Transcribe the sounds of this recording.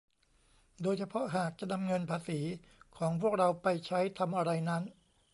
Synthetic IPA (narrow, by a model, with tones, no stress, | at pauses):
doː˧jt͡ɕʰa˧pʰɔ˦˥ʔɦaː˨˩k̚t͡ɕa˨˩ʔna˧mŋɤ˧npʰaː˧siː˩˦kʰɔː˩˦ŋpʰu˥˩ək̚ɾa˧wpa˧jt͡ɕʰa˦˥jt̪ʰa˧mʔa˧ɾa˧jna˦˥n